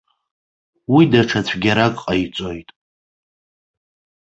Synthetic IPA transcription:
widaʈ͡ʂʰat͡ɕʷʰɡʲaɾakʼqʼait͡sʷʼo̞jtʼ

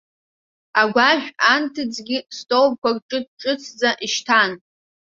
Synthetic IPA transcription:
aɡʷaʒᶣantʰɨd͡zɡʲistʼowb̚kʷarʈ͡ʂʼɨd̚ʈ͡ʂʼɨt͡sʰd͡zaʔiʃtʰan

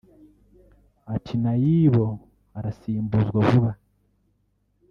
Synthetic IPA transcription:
atʰinajiːβo̞ | aɾasiːmbuzwaβuβa

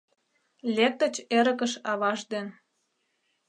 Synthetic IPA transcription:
lʲek̚t̪ə̆t͡ɕeɾə̆kəʃɑβɑʃd̪en

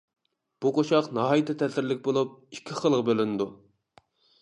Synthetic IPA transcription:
b̥uqʰoʃɑqnɑɦɑjit̪ʰɛt̪ʰɛsɪɾlɪkʲbolˠup̚i̥kʲʰːɪχəlˠəʁqbølynɪd̪u

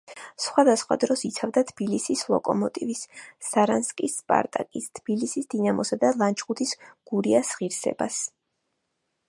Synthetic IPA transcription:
sχwad̪asχwa̰d̪ɾɔsit̪sʰavd̪at̪ʰb̥ilisislˠɔ̰kʼɔmɔt̪ʼivisːaɾanskʼispʼa̰ɾt̪ʼa̰kʼist̪ʰb̥ilisisd̪inamɔsad̪alˠant͡ʃʰχut̪ʰisɡ̥uɾiasʁiɾsɛ̰bas

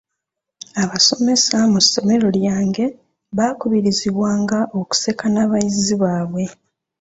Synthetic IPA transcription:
aβaso̞me̞samusːo̞me̞ɾo̞ljaːŋɡe̞ | βaːkuβiɾiziβwaːŋɡaʔo̞ku̥se̞kanaβajiziβaːβwe̞

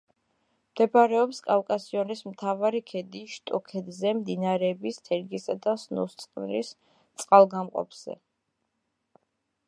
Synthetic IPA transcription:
md̪̥ɛbaɾɛɔpskʼafkʼasiɔnismt̪ʰavaɾikʰɛd̪iʃt̪ʼɔkʰɛd̪zɛmd̪inaɾɛːbist̪ʰɛɾɡisad̪asnṵst̪sʼqʼnɾḭs | t̪sʼqʼalˠɡamqʼɔ̰pʰz̥ɛ̰

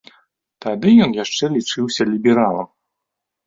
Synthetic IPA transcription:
t̪ad̪ɨjɔnjaʂt͡ʂɛlʲit͡ʂɨwsʲɐlʲibʲɛɾalˠɐ̰m

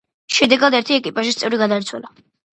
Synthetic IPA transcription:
ʃɛd̪ɛɡad̪ɛɾt̪ʰiɛkʼipʼaʃist̪sʼɛvɾiɡad̪aɾt̪sʰwɛ̰la

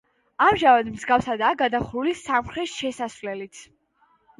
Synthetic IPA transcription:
amʒamad̪mzɡafsad̪aːɡad̪aχɾulisamχɾɛsʃɛsasvlɛlit̪sʰ

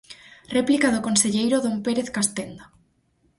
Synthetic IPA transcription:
replikaðokonseʎejɾoðompeɾeθkast̪end̪a

